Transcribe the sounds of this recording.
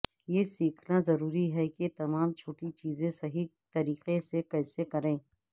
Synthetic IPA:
jeːsiːkʰnazɐɾuːɾiɦɛket̪ɐmaːmt͡ʃʰoːʈit͡ʃiːzẽsɐɦi | t̪ɐɾiːqesekɛːsekɐɾẽː

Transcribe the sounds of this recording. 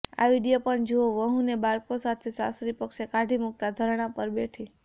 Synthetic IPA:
a̰ʋiɽijopəɳd͡ʒooʋəɦũnebaɭkosat̪ʰesasɾipəkʃekaɖʱimuk̚t̪ad̪ʱəɾɳ̃apəɾbeʈʰi

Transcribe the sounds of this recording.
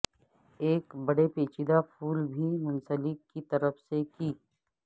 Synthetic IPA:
eːkbɐɽepeːt͡ʃid̪apʰuːlbʱimʊ̃nsəlɪkːit̪ɐɾəfsekiː

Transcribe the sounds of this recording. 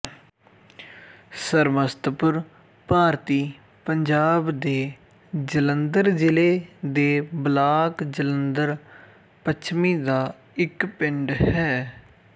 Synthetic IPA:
səɾməst̪pʊɾ | paːɾt̪iː | pəɲd͡ʒaːbd̪eː | d͡ʒələnd̪əɾd͡ʒɪleːd̪eːblaːkd͡ʒələnd̪əɾ | pət͡ʃʰmiːd̪aː | ɪkpɪɳɖɦɛː

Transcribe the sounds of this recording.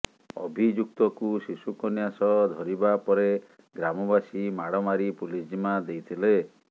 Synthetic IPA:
ɔ̰bʱid͡ʒuk̚t̪ɔkusisukɔnjasɔd̪ʱɔɾibapɔɾe | ɡɾamɔbasimaɽɔmaɾipulisd͡ʒimad̪ejt̪ʰile

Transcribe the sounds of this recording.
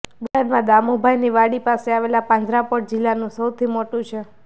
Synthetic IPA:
bənaɖmãd̪amobʱajniʋaɽipaseaʋelapãnd͡ʒ̪ʱɾapəʈ̚d͡ʒɪlːanũsəwt̪ʰimoʈũt͡ʃʰe

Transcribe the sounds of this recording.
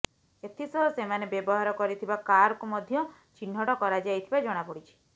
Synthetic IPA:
et̪ʰisɔsemanebjebɔɦaɾɔkɔɾit̪ʰibakaɾɔkumɔd̪ʱjɔ | t͡ʃin̤ɔʈɔkɔɾad͡ʒajt̪ʰibad͡ʒɔɽ̃apɔɽit͡ʃʰi̥

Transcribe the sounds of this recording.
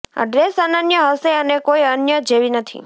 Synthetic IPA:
a̰ɖɾesanənjəɦəseənekoiənjəd͡ʒeʋinət̪ʰḭ

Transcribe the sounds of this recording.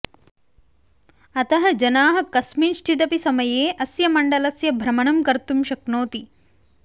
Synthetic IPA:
ɐt̪ɐɦɐ̆d͡ʒɐnaːɦɐ̆kɐsmiːnʃʈʰid̪ɐpisɐmɐjeːʔɐsjɐmɐɳɖɐlɐsjɐbʱɾɐmɐɳɐmkɐɾt̪umʃɐknoːt̪i

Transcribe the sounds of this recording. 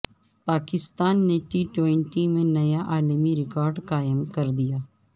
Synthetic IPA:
paːkɪst̪aːnːeʈiːʈwẽɳʈimẽnɐjaʔaːlmiɾɪkɔːɾɖkaːjəmkɐɾd̪ijaː

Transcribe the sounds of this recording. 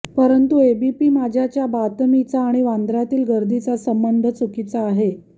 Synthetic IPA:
pəɾənt̪uebipiːmad͡ʑʱjat͡ɕjabat̪mit͡saːɽ̃iʋãnd̪ɾat̪iːlɡəɾd̪it͡sasəmbənd̪ʱət͡sukit͡saːɦe

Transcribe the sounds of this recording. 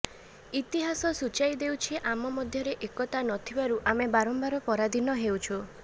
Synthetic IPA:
it̪iɦasɔsut͡ʃajd̪ewt͡ʃʰiʔamɔmɔd̪ʱjɔɾeʔekɔt̪anɔt̪ʰibaɾuʔamebaɾɔmbaɾɔpɔɾad̪inɔɦewt͡ʃʰɔ

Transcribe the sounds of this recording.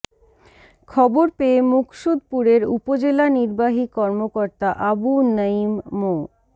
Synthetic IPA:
kʰɔboɾpeemukʃud̪̚puɾeɾṵpod͡ʑelaniɾbaɦikɔɾmokoɾt̪aʔabunəimːo

